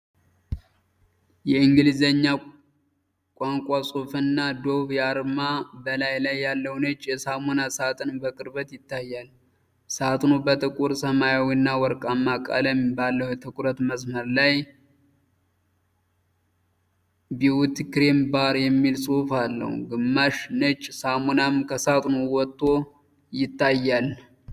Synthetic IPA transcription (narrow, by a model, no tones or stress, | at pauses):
jɛɨŋɡɨlizəɲːa | kʷʼaŋkʷʼasʼofɨnːad̪o̞βjaɾmabəlajlajːalːəwnət͡ʃʼːjɛsamonasat̪ʰʼɨnbəkʼɨɾbət̪jɪt̪ːajːal | sat̪nubət̪ʼɨkʼuɾsəmajawinːawɔɾkʼamːakʼa̰ləmbalːəwjt̪ʰɨkʷʼuɾət̪məsməɾlaj | biwut̪kɾembaɾjɛmːilsʼufalːə̰hṵɡɨmːaʃnət͡ʃʼːsamonamkʰəsat̪ʼnowɔt̪ʼːo̞ | jɪt̪ːajːal